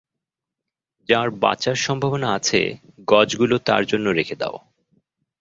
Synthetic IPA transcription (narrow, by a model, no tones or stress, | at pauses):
d͡ʑaɾba̰t͡ɕaɾʃɔmbʱabonaat͡ɕʰḛ | ɡɔd͡ʑɡulot̪a̰ɾd͡ʑonːoɾekʰed̪a̰o